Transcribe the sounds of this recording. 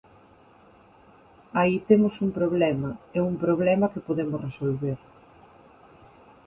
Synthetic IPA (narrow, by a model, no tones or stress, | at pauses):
ait̪emʊsuŋpɾoβ̞lɛmɐɛuŋpɾoβ̞lɛmɐkɪpoðemʊsresolβeɾ